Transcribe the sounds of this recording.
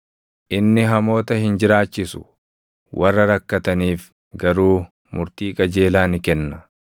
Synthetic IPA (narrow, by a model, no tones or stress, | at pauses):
ʔɪnːɪɦɐmo̞ːt̪ɐhɪnd͡ʒɪɾaːt͡ʃːɪsʊ̥̰ | wʔɐrːɐɾɐkːɐt̪ɐniːf | ɡɐɾuː | mʊɾt̪iːkʼɐd͡ʒe̞ːlaːnɪkɛnːɐ